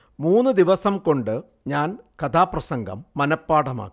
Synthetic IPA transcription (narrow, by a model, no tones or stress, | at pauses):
muːnːɨd̪iʋɐsɐmko̞ɳɖɨ | ɲaːnkɐt̪ʰaːprɐsɐŋɡɐ̰mːɐnɐpːaːɽɐma̰ːk